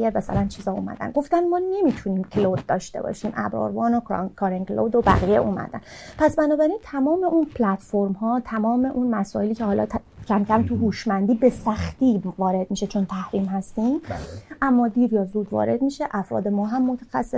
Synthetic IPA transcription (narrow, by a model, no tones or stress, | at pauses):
emæsæ̰lænt͡ʃʰiːzɒːuːmæ̰d̪æ̰nɡo̞ft̪ænmɒːne̞miːt̪ʰuniːmkʰlod̪̚d̪ɒːʃt̪e̞̰bɒ̰ːʃiːmʔæ̰bɒ̰ːɾvɒːnokʰɑɾeŋɡloːd̪obæ̰ɣijḛʔuːmæ̰d̪æ̰npʰæsbænɒːbæɾint̪ʰæmɒːme̞ʔunpʰlæt̪foɾmɦɒːt̪ʰæmɒːme̞ʔunmæsɒːeliːcʰehɒːlɒ̰ːt̪ʰ | cʰæmcʰæmt̪ʰuɦuːʃmænd̪iːbe̞sæxt̪iːvɒːɾe̞d̪̚miːʃet͡ʃʰo̞nt̪ʰæhɾiːmhæst̪iːmʔæmːɒːd̪iːɾjɒːzuːd̪vɒ̰ːɾe̞d̪miːʃeʔæfɾɒ̰ːd̪e̞mɒːɦæmːo̞t̪ʰæ̥xæsːe